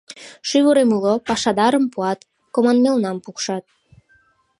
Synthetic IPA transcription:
ʃyβuɾemulopɑʃɑd̪ɑɾəmpuɑt̪ | komɑnmelnɑmpukʃɑt̪̚

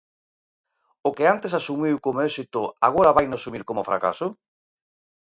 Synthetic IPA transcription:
ʊkɪant̪esasumiwkomoesit̪ʊa̰ɣ̞oɾaβajnʊasumiɾkomʊfɾa̰ka̰sʊ

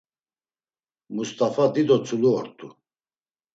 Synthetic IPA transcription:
must̪ʼafad̪id̪ɔt͡sʰʼuluɔɾt̪ʼu

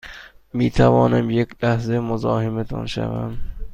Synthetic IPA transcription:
mit̪ʰavɒnɪmjekʲlahzɪmʊzɒːhɪmɪt̪ʰɒ̰nɪʃa̰va̰n

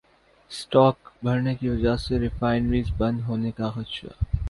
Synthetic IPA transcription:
sʈɔːkbʱɐɾnekiʋɐd͡ʒəɦseɾɪfaːɪnɾiːzbɐ̃nd̪ɦoːnekaxɐt̪ʃa̰

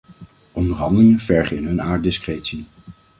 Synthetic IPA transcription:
ʔɔndəɹɦɑndəlɪŋənv̥ɛɹχəɪnɦɵnaːɹt̚dɪskreːtsi

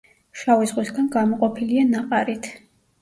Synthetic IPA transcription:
ʃavizʁwisɡanɡamɔqʼɔpʰilianaqʼaɾit̪ʰ

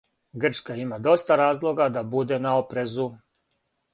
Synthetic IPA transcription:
ɡr̩t͡ʃkaimad̪o̞st̪aɾaːzlˠo̞ɡad̪abud̪e̞naopɾe̞zu

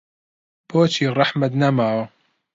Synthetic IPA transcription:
b̥oːt͡ʃʰiːrˤɑħmɐt̪nɐmaːwɐ

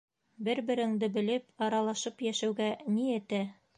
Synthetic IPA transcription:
bɘɾbɘ̆ɾɘ̆ŋd̪ɘbɘ̆lɘpɑɾɑlˠɑʃɤpjæʃæwɡæniɘ̆t̪æ

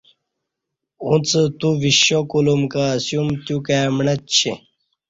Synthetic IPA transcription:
ũt͡sət̪uviɕokulumkasjumt̪jukaːmɳɐt͡ɕʰi

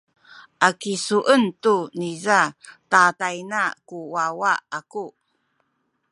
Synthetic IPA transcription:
ʔakisuʔəntunizatatajnakuwawaʔaku

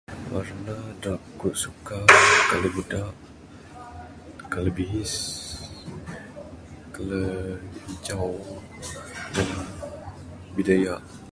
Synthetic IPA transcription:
wa̰rnadaʔkuʔ̪sukakaləbədaʔ | kaləbiɦis | kələiɲt͡ʃaw | dala | bidajaʔ

